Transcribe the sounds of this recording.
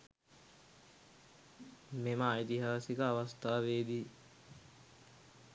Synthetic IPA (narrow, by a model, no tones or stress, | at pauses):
meməaːit̪iɦaːsikəaʋast̪aːʋeːd̪iː